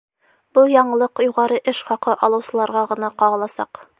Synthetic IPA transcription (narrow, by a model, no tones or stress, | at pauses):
bɤlˠjɒɴɤ̆lˠɤqjuʁɑɾɤʔɘʃχɒqɤʔɒlˠɤ̆wsɤ̆lˠɑɾʁɑʁɤ̆nɑqɒʁɤ̆lˠɑsɑq